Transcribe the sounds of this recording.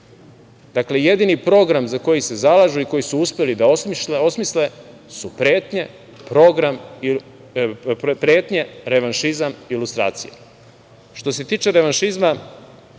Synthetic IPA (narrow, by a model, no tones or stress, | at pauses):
d̪̥akle̞je̞d̪inipɾo̞ɡɾamzako̞jise̞zalaʒuiko̞jisuuspʲelid̪ao̞smisle̞ | supɾe̞ːt̪ɲe̞ | pɾo̞ɡɾam | pɾe̞ːt̪ɲe̞ɾe̞ʋanʃizamiːlust̪ɾa̰ːt̪sijḛ | ʃt̪o̞se̞t̪iːt͡ʃe̞ɾeʋanʃizma